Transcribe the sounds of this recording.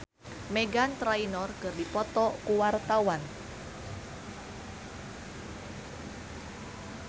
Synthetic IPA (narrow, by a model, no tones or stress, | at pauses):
meɡant̪ɾainɔrkɨrdipɔt̪ɔkuwart̪awan